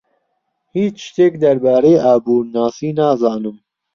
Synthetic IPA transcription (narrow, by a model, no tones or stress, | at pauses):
hiːt͡ʃt͡ʃt̪eːkd̪ɐɾbɑːɾeːʔaːbuːɾnɑːsiːnaːzɑːnɨm